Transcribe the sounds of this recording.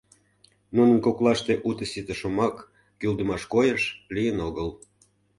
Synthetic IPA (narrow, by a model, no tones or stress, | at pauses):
nunənkoklɑʃt̪eʔut̪əsit̪əʃomɑkː | yld̪əmɑʃkojəʃlijənoɣəl